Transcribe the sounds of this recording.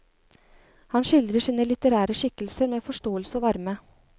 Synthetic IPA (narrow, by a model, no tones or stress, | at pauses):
hɑnʂɪld̪ɾəʂiːnəlɪt̪əɾæːɾəʂɪkəlsəɾmeːfɔʂʈoːəlsəɔʋɑɾmə